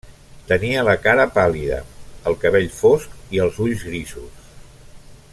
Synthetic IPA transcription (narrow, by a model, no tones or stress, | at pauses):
t̪əniələkaɾəpaliðə̰əlˠkəβ̞eʎfoskiəlˠzuʎzɣɾisus